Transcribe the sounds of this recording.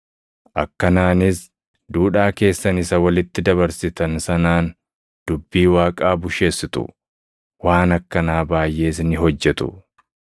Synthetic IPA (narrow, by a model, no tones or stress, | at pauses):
ʔɐkːɐnaːnɪs | d̪uːᶑaːke̞ːsːɐnɪsɐwɐlɪt̪ːɪd̪ɐβɐɾsɪt̪ɐnsɐnaːn | d̪̥ʊbːiːwaːkʼaːbʊʃe̞ːsːɪt̪ʊ̰ | waːnɐkːɐnaːbaːjʔe̞ːs̬nɪɦɔd͡ʒːɛt̪ʊ̰